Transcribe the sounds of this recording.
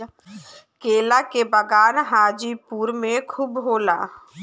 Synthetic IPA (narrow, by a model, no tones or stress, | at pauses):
keːlakebəɡaːnɦaːd͡ʒipuːɾmẽkʰubɦoːlaː